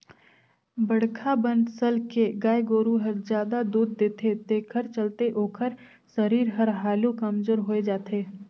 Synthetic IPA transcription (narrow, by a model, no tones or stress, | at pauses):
bɐɽ̤kʰabə̃nɖsəlkeɡaːeɡoːɾũɦəɾd͡ʒjaːd̪ad̪uːd̪̚ːeːt̪ʰet̪eːkʰəɾt͡ʃəlt̪eʔoːkʰəɾ | səɾiːɾɦɐɾɦaːlũkɐmd͡ʒoɾɦoːed͡ʒaːt̪ʰeː